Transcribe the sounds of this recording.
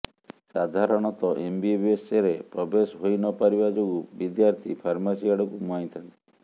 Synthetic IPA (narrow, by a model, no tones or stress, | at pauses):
sad̪ʱaɾɔɽ̃ɔt̪ɔʔembiebeseɾepɾɔbesɦojnɔpaɾibad͡ʒoɡubid̪jaɾt̪ʰipʰaɾmasiaɽɔkumɔĩt̪ʰant̪i̥